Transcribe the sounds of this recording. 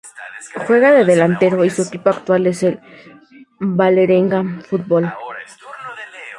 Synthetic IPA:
xwe̞ɣaðe̞ðe̞lant̪eɾo̞isuekipoakt̪wale̞sel | bale̞ɾeŋɡafut̪̚bol

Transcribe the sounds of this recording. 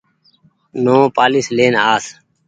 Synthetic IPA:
nõːpaːliːsleːnaːs

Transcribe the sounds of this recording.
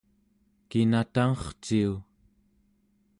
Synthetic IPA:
kinat̪aŋʌχt͡ʃiu

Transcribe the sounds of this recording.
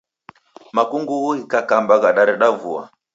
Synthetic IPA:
makuŋɡuuikakambaɣaɗaɾɛɗavua̰

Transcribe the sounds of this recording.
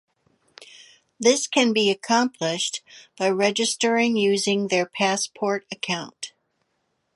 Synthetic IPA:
ðɪskʰɨ̃nbiɨkʰɑ̃mpʰlɪʃtb̥aɪɹɛd͡ʒɨstə˞ɪ̃ŋjʉzɪ̃ŋðə˞pʰæspʰɔɹɾɨkʰãʊ̃nt

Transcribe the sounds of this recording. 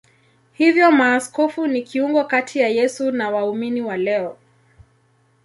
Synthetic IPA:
hivjɔmaːskɔfunikiuŋɡɔkatʰijajɛsunawauminiwalɛɔ

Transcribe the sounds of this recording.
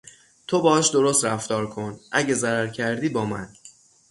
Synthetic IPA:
t̪ʰobɒːɒʃd̪o̞ɾost̪ɾæft̪ɒːɾkʰo̞nʔæɟezæɾæɾcʰæɾd̪iːbɒːmæn

